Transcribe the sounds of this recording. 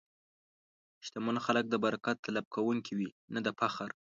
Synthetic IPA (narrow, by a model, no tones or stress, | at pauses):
ʃt̪amonxalək̚d̪əbaɾakat̪ːalab̚kʰawuŋkʰiwi | nad̪əpaxaɾ